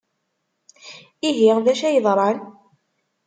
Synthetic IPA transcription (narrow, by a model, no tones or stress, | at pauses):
iɦiʁðæʃæjəðˤɾˤɑn